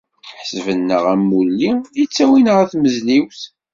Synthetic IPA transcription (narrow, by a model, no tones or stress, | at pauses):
ħsəvənːəʁæmːulːiit͡sːæwinʁæθməzliwθ